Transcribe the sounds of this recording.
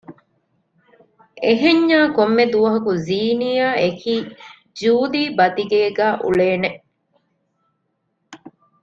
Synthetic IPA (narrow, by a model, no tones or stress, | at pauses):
ʔeɦeɲːaːkomːed̪uʋɐɦɐkuziːnijaːekiː | d͡ʒuːliːbɐt̪iɡeːɡæːʔṵɭeːneʔ